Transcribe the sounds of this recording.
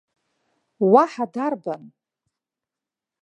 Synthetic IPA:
waħadarban

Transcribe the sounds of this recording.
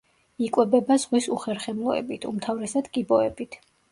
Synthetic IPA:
ikʼwɛbɛbazʁwisuχɛɾχɛmlˠɔɛ̰bit̪ʰṵmt̪ʰavɾɛsad̪kʼibɔɛbit̪ʰ

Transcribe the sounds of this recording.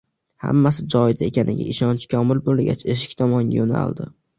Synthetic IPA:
ha̰mːasɪd͡ʒɒɪd̪ae̞kʲʰanɪ̰ɡʲa̰ʔɪʃɒnt͡ʃkʰʲɒmɪlbolɡʲa̰t͡ʃʰe̞ʃɪ̥kʲt̪ʰɒmɒŋa̰jona̰lˠd̪ɪ

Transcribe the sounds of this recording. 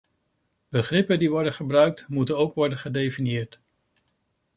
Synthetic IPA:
bəχrɪpəndiʋɔɹdəχəbrœɥk̚tmutənowkʋɔɹdənχədejfinijɪːɹt

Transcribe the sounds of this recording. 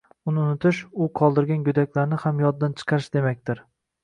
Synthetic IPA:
ʊnɪʊnɪt̪ʰɪʃʊqʰɒlˠd̪ɪɾɡʲanjʊd̪akʲlaɾnɪhamjɒd̪̚dːant͡ʃʰɨ̥qʰɑɾɪʃd̪e̞makʲt̪ɪɾ

